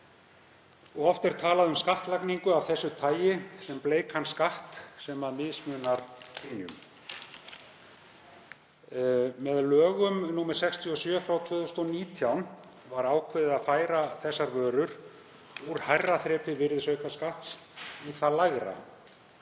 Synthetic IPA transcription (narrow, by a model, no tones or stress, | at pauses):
ɔɣɔft̪ɪɾ̥t̪ʰaːlaðʏmskaht̪lakniŋkʏavθɛsːʏt̪ʰaːjɪsɛmpleːjkʰanskaht̪sɛmaðmɪðsmʏːnaɾ̥pʰinjʏ̰m | mɛðlœːɣʏmnuːmɛɾ̥sɛkst̪ʰjiɔsjœːfɾawt̪ʰvœːðʏst̪ɔniːt̪ʰjawn | vaɾaːwkʰvɪðɪaðfaːjɾaθɛsːaɾvœːɾʏɾ̥ | uɾ̥hajrːaθɾɛːpɪvɪɾðsœːɥkʰaskaht̪s | iθalaɣɾa̰